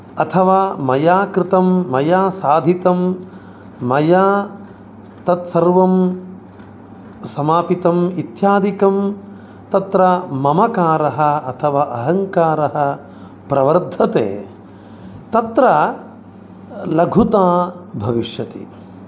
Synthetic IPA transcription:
ɐt̪ʰɐʋaːmɐjaːkɾɪt̪ɐmːɐjaːsaːd̪ʱit̪ɐmː | ɐjaː | t̪ɐt̪sɐɾʋɐm | sɐmaːpit̪ɐmit̪jaːd̪ikɐm | t̪ɐt̪ɾɐmɐmɐkaːɾɐɦɐ̆ɐt̪ʰɐʋaːʔɐɦɐŋkaːɾɐɦɐ̆ | pɾɐʋɐɾd̪ʱɐt̪ḛː | t̪ɐt̪ɾɐ | lɐɡʱut̪aːbʱɐʋiʂjɐt̪ḭ

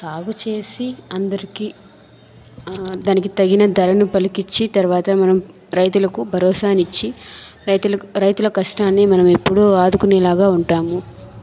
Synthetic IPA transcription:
saːɡut͡ʃe̞ːsiɐnd̪ɐɾiki | d̪aːnikit̪ɐɡinɐd̪ɐlɐnupɐlikit͡ʃːit̪ɐɾuʋaːt̪ɐmɐnɐm | ɾɐjt̪̬ulɐkubʱɐɾɔːsaːnit͡ʃːit̪ɾɐjt̪ulɐkɐʂʈaːnːeːmɐnɐmepːuɽuaːd̪ukunɛːlaːɡaːuɳʈaːmu

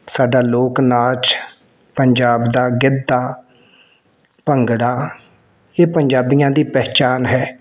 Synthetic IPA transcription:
saːɖaːloːknaːt͡ʃ | pəɲd͡ʒaːbd̪aːɡɪd̪ːaː | pəŋɡɽaː | eːpəɲd͡ʒaːbijãːd̪iːpɛːt͡ʃaːnɦɛː

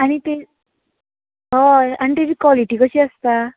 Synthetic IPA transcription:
añit̪e | ɦʌja̰ñit̪ebikwɔliʈikot͡ʃʰiəst̪a

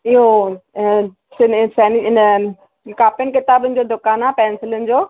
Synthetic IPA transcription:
iɦo | sɪnsɛːnɪɪnə | kaːpɪənkɪt̪aːbʊnɪ̆d͡ʑoːd̪ʊkaːnaːpɛ̃ːnsɪlʊnɪ̆d͡ʑoː

